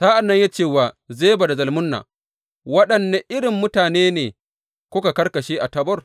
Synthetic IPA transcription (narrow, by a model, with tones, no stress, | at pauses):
saː˦ʔa˨nːɐ˦ɲja˦t͡ʃeː˦˨waː˨zeː˦ba˨da˨zɐ˨lmʊ˦nːa̰ː˨ | wɐ˦ɗɐ˨nːa˨ʔɪ˦ɽɪ˨mːʊ˦taː˨neː˦neː˨ | kʷʊ˦ka˨kɐ˦rkɐ˨ʃeː˦ʔa˨tɐ˦bɔ˦r